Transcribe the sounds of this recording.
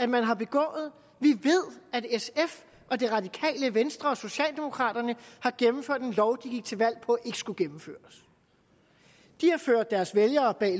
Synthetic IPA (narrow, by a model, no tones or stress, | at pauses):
æ̥mænɦɑ̈b̥e̝ɡ̥ɔ̰̽ːð̩ˠ | ʋiʋe̝ð̞̰ˠæd̥esef | ʔɒ̽d̥e̝ʁɑ̈d̥ikʰɛ̰ːləʋensd̥ʁɐɒ̽so̝ɕɛ̰ːld̥e̝mo̝kʰʁɑ̰̈ːd̥ɐnəhɑ̈ɡ̥emm̩føɐ̰d̥enlɒʊd̥iɡ̥iɡ̥̚t͡sʰe̝lʋæl̰pʰɒ̽æʔe̝ɡ̥ə̥sɡ̥uɡ̥emm̩fø̰ːɐs | d̥ihɑ̈føɐ̰d̥ːæɐsʋeljɐːb̥ɛ̰ː